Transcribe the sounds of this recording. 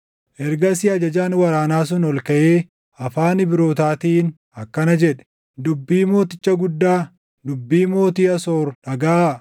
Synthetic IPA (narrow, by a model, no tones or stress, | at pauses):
ʔɛɾɡɐsɪɐd͡ʒɐd͡ʒaːnwɐɾaːnaːs̬ʊnɔlkɐʔeː | ɐfaːnɪbɪɾo̞ːt̪aːt̪iːn | ɐkːɐnɐd͡ʒɛᶑɛ̥ | d̪ʊbːiːmo̞ːt̪ɪt͡ʃːɐɡʊd̪ːaː | d̪ʊbːiːmo̞ːt̪iːɐsoːɾᶑɐɡaː